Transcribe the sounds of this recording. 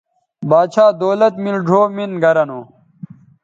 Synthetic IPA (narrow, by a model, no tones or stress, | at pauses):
baːt͡ɕʰaːd̪oːlɐt̪milɖʱoːminɡɐɾɐnoː